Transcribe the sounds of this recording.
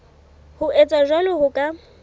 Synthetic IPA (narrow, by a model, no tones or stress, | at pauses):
hʊʔet͡sʼaʒwalʊɣʊkʼa